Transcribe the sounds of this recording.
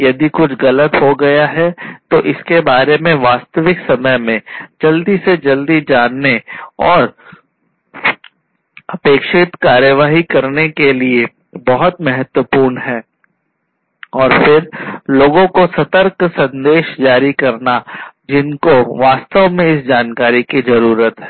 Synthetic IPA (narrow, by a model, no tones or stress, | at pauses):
jɐd̪ikʊt͡ʃʰɣɐlət̪ɦoɡɐjaɦɛt̪oʔɪskebaːɾemẽʋaːst̪əʋɪksɐməjmẽd͡ʒɐld̪ised͡ʒɐld̪id͡ʒaːnːeɔːɾ | ɐpeːkʃɪt̪kaːɾjəʋaːɦikɐɾnekelie | bɐɦʊt̪mɛɦət̪wəpuːɾnɦɛː | ɔːɾfʰɪɾloːɡõkosɐt̪əɾksɐ̃nd̪eːʃd͡ʒaːɾikɐɾnad͡ʒɪnkoʋaːst̪əʋmẽɪsd͡ʒaːnkaːɾikizɐɾuːɾət̪ɦɛː